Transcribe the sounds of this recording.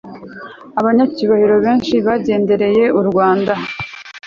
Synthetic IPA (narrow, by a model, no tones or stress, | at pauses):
aβaɲaciβahiɾo̞βe̞ːnʃiβaɟe̞ːnde̞ɾe̞je̞uɾɡwaːnda